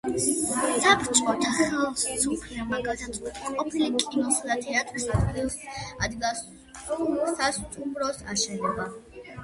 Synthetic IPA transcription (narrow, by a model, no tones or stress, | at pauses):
sapʰɾt͡ʃʼɔt̪ʰaχɛlˠssʰɔpʰliamaɡad̪at̪ʼɛt̪ʰqʼɔpʰilikʼinɔsad̪at̪ʰɛat̪ʼɾsad̪ɡilˠsad̪ɡas | ɔst̪ʰast̪ʼumɾɔsa̰ʃɛnɔba